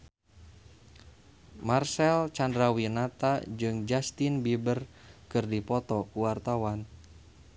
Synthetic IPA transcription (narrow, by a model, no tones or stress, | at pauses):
marsɛlt͡ʃandɾawinat̪ad͡ʒɨŋd͡ʒast̪inbibərkɨrdipɔt̪ɔkuwart̪awan